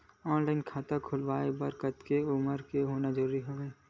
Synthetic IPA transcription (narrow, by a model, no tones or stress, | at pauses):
ɔːnlaːɪnkʰaːt̪akʰʊlʋaːebɐɾkət̪keʊməɾkeɦoːnad͡ʒəɾuːɾiɦoːʋeː